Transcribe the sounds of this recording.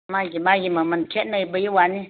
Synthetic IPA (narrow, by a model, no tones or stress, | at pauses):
maɡʲimajiməmɨnkʲetnəbəjiwani